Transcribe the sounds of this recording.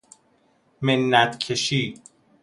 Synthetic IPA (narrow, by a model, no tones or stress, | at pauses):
menːæt̪kʰeʃiː